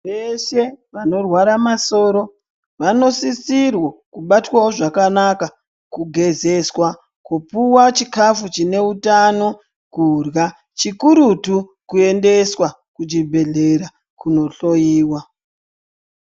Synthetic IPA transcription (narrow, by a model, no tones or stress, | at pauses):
ʋeʃe̞ʋano̞rwaɾamaso̞ːɾo̞ | ʋano̞sisirwokuɓatwawoʐakanaka | kuɡʱe̞ze̞swa | kupuwat͡ʃikafut͡ʃine̞utano̞ | kurɣa | t͡ʃikuɾutukue̞nde̞swa | kud͡ʒibʱe̞ɮe̞ɾa | kuno̞ɬo̞jiːwa